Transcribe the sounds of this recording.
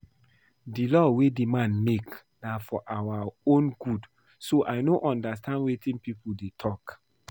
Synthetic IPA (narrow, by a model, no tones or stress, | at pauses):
dilɔwedimãnmek | nafɔʔawaõnɡud | soʔaɪnoʔɔ̃ndas̬tʰãndwetĩnpipudetʰɔk